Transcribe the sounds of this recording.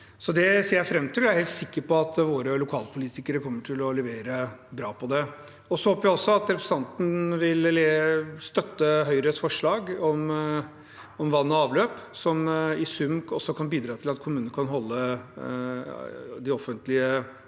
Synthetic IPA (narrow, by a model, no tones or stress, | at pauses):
sɔd̪ɛseːɾjæfɾɛmːt̪ʰɪlæɾhɛlt̪sɪkːəɾpɔɑt̪ʋoːɾəlʊkʰɑːlpʰʊliːt̪ɪkəɾəkʰɔmːəʈʰɪlɔlɛʋeːɾəbɾɑːpʰɔd̪ɛ | ɔsɔhoːpəjæɪɔsːɔɑt̪ɾɛpɾɛsɑnt̪n̩ʋɪllɛst̪œt̪ːəɦœʏɾəsfɔʂɭɑːɡɔm | ɔmʋɑnːɔɑːʋløːpsɔmɪsʉmːɔsːɔkʰɑnbiːd̪ɾɑːt̪ʰɪlɑt̪kʰʊmʉːnnəkʰɑnɦɔlːə | d̪ɪɔfənt̪lɪə